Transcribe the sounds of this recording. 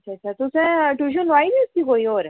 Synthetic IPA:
ɐʃʰaːɕʰat̪ʊsẽʈuʃ̬unʋaːib̪iʊskikoːioːɾ

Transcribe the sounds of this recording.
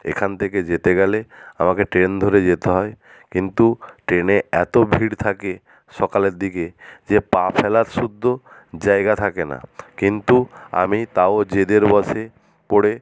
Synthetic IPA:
ḛkʰant̪ʰeked͡ʑet̪eɡɛlea̰makeʈɾend̪ʱoɾed͡ʑet̪eɦɔe | kint̪uʈɾeneɛt̪obʱiɽt̪ʰake | ʃɔkaleɾd̪iked͡ʑepapʰɛlat̪ʃud̪ʱːod͡ʑaeɡat̪ʰakena̰kint̪ua̰mit̪aod͡ʑed̪eɾbɔʃe | poɽe

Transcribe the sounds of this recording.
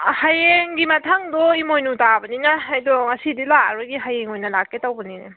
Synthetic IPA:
hajeŋɡimatʰaŋdɔimojnutabɐninɐːjdɔŋɐsidila̰ɾbɐɡiɦajeŋojnɐlakːetawbɐninḛ

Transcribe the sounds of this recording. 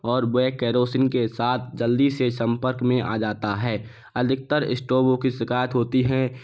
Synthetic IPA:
ɔːɾbʊekɛːɾoːsɪnkesaːt̪ʰd͡ʒəld̪isesə̃mpəɾkmẽʔa̰ːd͡ʒaːt̪aɦɛː | əd̪ʱɪk̚t̪əɾɪ̰sʈoːbõkisɪkaːjət̪ɦoːt̪iɦɛ̃

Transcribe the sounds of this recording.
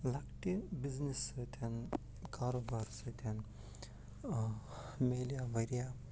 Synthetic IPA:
lɐkʈibiznisɨt̪ʰan | kaːɾobaɾsɨt̪ʲʰan | meːlijaʋɐɾija

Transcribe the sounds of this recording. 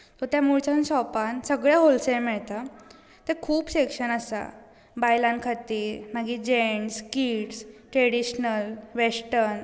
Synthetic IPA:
t̪ɔt̪jamuɭt͡ɕanɕɔpansəɡɭjaɦolsemɛɭt̪a | t̪ekʰuːpɕekʂənəsa̰ | bajlankʰat̪iːɾmaɡiːd͡ʑeɳskiːʈsʈɾeɽiɕnəlʋesʈəɾn

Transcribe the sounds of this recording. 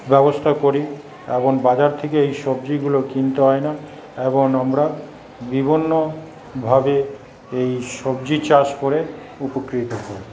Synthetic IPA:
bɛbost̪ʰakoɾi | ḛboŋbad͡ʑaɾt̪ʰekeejʃob̚d͡ʑiɡulokint̪eɦɔena | eboŋamɾa | bibʱonːo | bʱabe | ejʃobd͡ʑit͡ɕaʃkoɾe | upokɾit̪okoɾi

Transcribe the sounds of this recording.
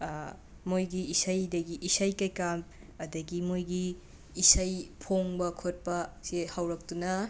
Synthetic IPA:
mojɡiisajdɐɡiʔisajkajkam | ɐdɐɡimojɡiː | sajpʰoŋbɐkʰot̚pɐsehawɾɐk̚tunɐ

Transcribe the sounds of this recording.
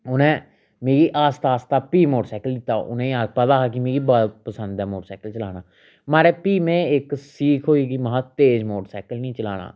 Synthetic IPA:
ʊnẽː | meːɡiːʔaːst̪aːst̪aːpiːmoːʈsaːkəld̪ɪt̪ːa̰ːʊ̰nẽaːpət̪aːɦaːkimeːɡiːbapəsə̃nd̪ɛːmoːʈsaːkəlt͡ʃəlaːnaː | maːɾeːpiːmɛ̃ːɪksiːkʰɦoːiːɡiməɦãːt̪eːd͡ʒmoːʈsaːkəlnĩːt͡ʃəlaːna̰ː

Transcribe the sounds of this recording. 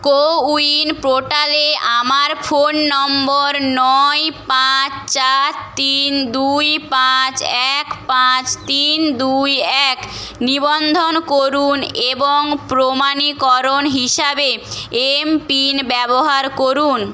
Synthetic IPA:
kouinpɾoʈaleamaɾfʰonːɔmboɾnɔjpat͡ɕt͡ɕat̪ind̪ujpat͡ɕɛkpãt͡ɕt̪ind̪ujɛknibond̪ʱonkoɾuneboŋpɾomanikɔɾonɦiʃabeempinbɛboɦaɾkoɾun

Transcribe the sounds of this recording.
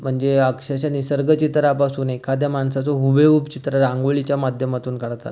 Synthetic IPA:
m̤əɳd͡zeakʂaɕanisəɾɡət͡ɕit̪ɾapasuːnekʰːad̪jamaɳsat͡sɔɦubʱeupt͡ɕit̪ɾaɾãŋɡʋoɭit͡ɕjamad̪ʱjəmat̪uːnkəɽt̪a̰t̪

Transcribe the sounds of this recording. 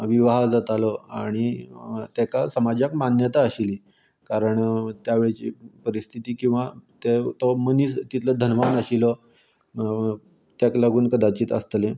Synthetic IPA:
ʋiʋaɦad͡zat̪alɔaɽ̃it̪ekasəmad͡ʑakmanjət̪aəɕiliː | kaɾəɳt̪jaʋeɭt͡ɕḭːpəɾist̪ʰit̪iːkĩw̃ʋat̪et̪oməniːst̪it̪ʰləd̪ʱənʋanəɕilɔ | t̪jaklaɡuːnkəd̪at͡ɕiːt̪ə̰st̪lẽ

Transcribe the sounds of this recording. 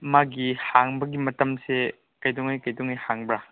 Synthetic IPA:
maɡihaŋbɐɡimɐtɐmse | kɐjduŋɐjkɐjduŋɐjhaŋbɾa

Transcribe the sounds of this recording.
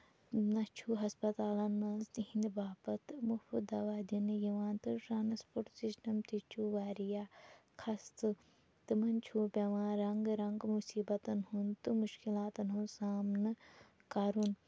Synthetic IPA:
nɐt͡ʃʰuɦɐspɐt̪aːlɐnːɐnzt̪iɦĩnd̪baːpɐt̪mufud̪ɐʋaːd̪inɨjiʋãːnt̪ɨʈɾaːnspoɾʈsisʈɐmt̪it͡ʃʰuʋaːɾijaːkʰɐst̪ɨ | t̪ɨmɐnt͡ʃʰuːbʲɐʋãːɾɐŋɡɾɐŋɡmusiːbɐt̪ɐnɦunt̪ɨmuʃkilaːt̪ɐnɦunsaːmnɨ | kaɾun

